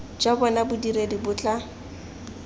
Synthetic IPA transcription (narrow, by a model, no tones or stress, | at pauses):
d͡ʒabɔnabʊdiɾedibʊt͡ɬʼa